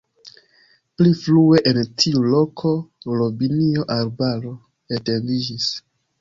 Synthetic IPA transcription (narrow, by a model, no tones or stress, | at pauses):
pliflue̞ʔentʰiulo̞kʰo̞ɾobinioʔaɾbaɾo̞ | ete̞ndid͡ʒis